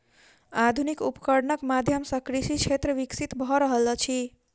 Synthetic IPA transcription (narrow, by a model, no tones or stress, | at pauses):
ad̪ʱunikupə̥kəɾnəkmad̪ʱjəmsəkɾisit͡ʃʰet̪ɾəʋiksit̪bʱɔɾəɦəlt͡ʃʰi